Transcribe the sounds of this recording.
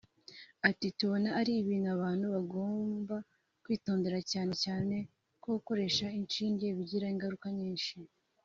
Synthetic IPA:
atituβo̞naːɾiːβiːn̤uaβaːn̥huβaɡo̞ːmba | kwiːtoːnde̞ɾacaːne̞caːne̞ | koko̞ɾe̞ʃaint͡ʃiːɲɟe̞βiɟiɾaiŋɡaɾukaɲiːnʃi

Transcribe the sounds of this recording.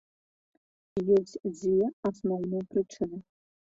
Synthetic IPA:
jozijɛasnownɨpʰrɨʈ͡ʂʰɨnɨ

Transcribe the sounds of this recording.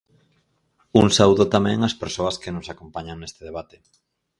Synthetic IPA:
uŋsawðot̪amɛ̃ŋɐspeɾsoɐskɪnosakompaɲaŋnest̪ɪðeβ̞at̪e̥

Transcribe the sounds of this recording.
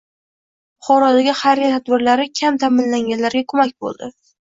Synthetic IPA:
ʊχɒɾɒd̪aɡʲɪhaɾɪt̪ʰad̪bɪɾlaɾɪkʲʰamt̪ʰamɪnlaŋʲanlaɾɡʲakʰɵmakʲbo̰lˠd̪ɪ

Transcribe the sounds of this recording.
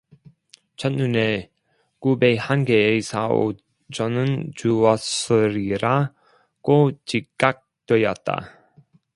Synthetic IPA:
t͡ɕʰʌt̚nune | kubehanɡeːsʰao̰ | t͡ɕʌnɯnt͡ɕuwʌsɯɾiɾa | kot͡ɕikk͈ːak̚t͈wejʌt̚t͈a̰

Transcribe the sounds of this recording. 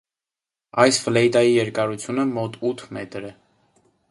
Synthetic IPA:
ɑjsflɛjt̪ɑjijɛɾkɑɾut͡sʰjunəmɔt̪ut̪ʰmɛt̪ɾɛ

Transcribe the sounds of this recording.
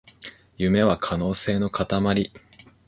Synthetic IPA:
jɯ̟me̞βakʰano̞ːse̞ːno̞kat̪amaɾʲi

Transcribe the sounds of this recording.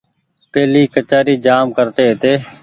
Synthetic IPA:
peːliːkət͡ʃaːɾiːd͡ʒaːmkəɾt̪eːɦt̪eː

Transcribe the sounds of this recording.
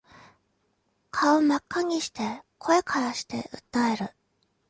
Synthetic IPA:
kʰaomakːaɲ̟iɕi̥t̪e̞kʰo̞e̞kʰaɾaɕi̥t̪e̞̰ʔɯ̟t̪ːae̞ɾɯ̟

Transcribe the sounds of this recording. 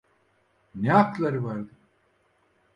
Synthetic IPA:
nɛaklˠaɾɯvaɾd̪ɯ

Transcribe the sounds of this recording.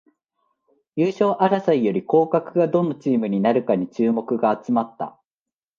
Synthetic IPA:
jɯːɕo̞ːʔaɾasaijo̞ɾʲiko̞ːkakɯ̟ɡad̪o̞no̞t͡ɕiːmɯ̟ɲ̟inaɾɯ̟kaɲ̟it͡ɕɨːmo̞kɯ̟ɡaːt͡sɨmat̪ːa̰

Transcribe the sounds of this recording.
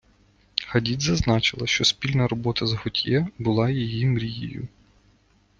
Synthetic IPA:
xɐdʲid̪ʲzɐznɑt͡ʃɪlˠɐʃt͡ʃɔspʲilʲnɐɾɔbɔt̪ɐzɦɔtʲjɛbʊlˠɑjijimɾʲijḭjʊ̰

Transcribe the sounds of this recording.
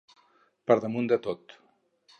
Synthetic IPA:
pəɾðəmund̪ət̪ot̪

